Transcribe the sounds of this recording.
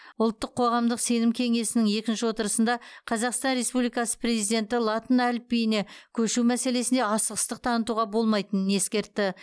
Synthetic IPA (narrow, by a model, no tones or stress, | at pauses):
ʊlˠt̪ːəqʰːo̞ʁɑmd̪əqse̞nɪmkʲʰe̞ŋe̞sɪnɪŋe̞kʲɪnʃɪwo̞t̪əɾəsənd̪ɑqʰɑzɑqst̪ɑnɾe̞spublijkɑsə̥pʰre̞zijd̪e̞nt̪ɪlˠɑt̪ənælpːijɪne̞kʲʰɵʃumæse̞le̞sɪnd̪e̞ɑsəʁəst̪əq̚t̪ʰɑnət̪uʁɑbo̞lˠmɑjt̪ənəne̞skʲe̞ɾt̪ːɪ